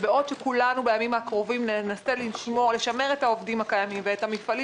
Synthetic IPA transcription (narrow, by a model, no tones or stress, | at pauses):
beo̞dʃekulanubejamimakʁo̞vimnenaseliʃmole̞ʃame̞ʁe̞thao̞vdimhakajamimveethamifali